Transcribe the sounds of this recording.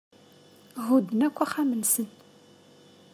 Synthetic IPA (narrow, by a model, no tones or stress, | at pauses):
ʁud̪ːənækʷːæχamənsən